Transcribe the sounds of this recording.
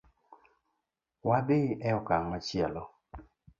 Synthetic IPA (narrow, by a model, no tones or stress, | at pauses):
wabɪʔɛɔkaŋmat͡ʃjɛlɔ